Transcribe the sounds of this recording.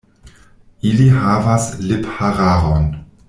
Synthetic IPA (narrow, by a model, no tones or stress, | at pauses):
iliɦavaslephaɾaɾon